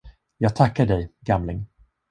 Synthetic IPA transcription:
jɑːɡ̚t̪ʰakːaɖɛjɡamlɪŋ

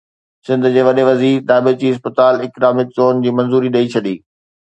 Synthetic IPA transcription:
sɪ̃nd̪ʱʊd͡ʑeːʋɐɗeʋɐziːɾɗ̪aːbɪt͡ɕiːɪs̬pət̪aːlɪkɾaːmɪk̪zoːnd͡ʑiːmɐ̃nzuːɾiɗɐit͡ɕʰɐɗiː

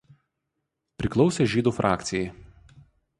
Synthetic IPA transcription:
pʲɾʲɪklˠɒʊsʲeʒʲiːd̪uːfɾʔɑːkt̪sʲɪjɛɪ

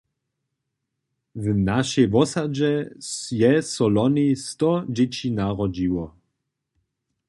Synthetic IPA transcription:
vnaʃɛjvɔsad͡ʒɛjɛsɔlɔnist̪ɔd͡ʒɛt͡ɕinaʁɔd͡ʑiwɔ

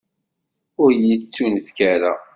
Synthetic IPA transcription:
ʊɾjit͡sːunfkæɾa̰

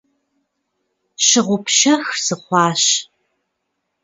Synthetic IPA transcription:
ɕɪʁʷʊpʃɐxz̥ɨχʷɑːɕ

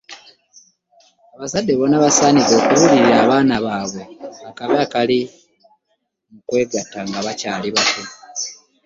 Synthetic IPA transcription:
aβazadːe̞βo̞naβasaːnizo̞ːkuβuliɾaːβaːnaβaːβo̞akavakali | mukwe̞ːɡatːaŋɡaβacaːliβate

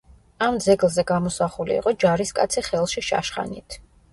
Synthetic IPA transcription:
amd̪zɛɡlˠzɛɡamɔsaχulḭːqʼɔd͡ʒaɾiskʼa̰t̪sʰiχɛlˠʃiʃa̰ʃχa̰nit̪ʰ

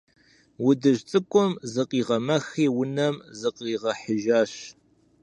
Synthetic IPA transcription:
wʊdɨʒt͡sʼɨkʷʼɔmzɨqʼiːʁɐmɐxeːwʊnɐmzɨqʼiːʁɐħəʒaːɕ

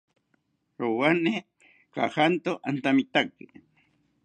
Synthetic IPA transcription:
ɾowane | ka̰hant̪oʔant̪amit̪ake

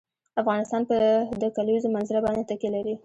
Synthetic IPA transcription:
afɣɑnɪst̪ɑnpəd̪əkalwizomanzɪɾabɑnd̪et̪akelaɾi

